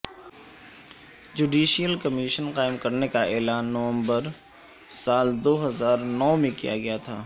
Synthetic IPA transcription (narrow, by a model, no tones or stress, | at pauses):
d͡ʒuːɖiːʃijəlkɐmiʃənqaːɪmkɐɾnekaɛːlaːnːɐʋə̃mbəɾ | saːld̪oːɦɐzaːɾnɔːmẽkḭja̰ɡɐjat̪ʰaː